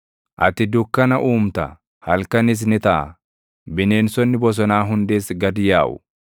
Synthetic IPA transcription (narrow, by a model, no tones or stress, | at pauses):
ʔɐt̪ɪd̪ʊkːɐnɐʔuːmt̪ɐ | hɐlkɐnɪs̬nɪt̪ɐʔɐ̰ | bɪne̞ːnsɔnːɪbɔs̬ɔnaːɦʊnd̪e̞ːsɡɐd̪ɪjaːʔʊ̰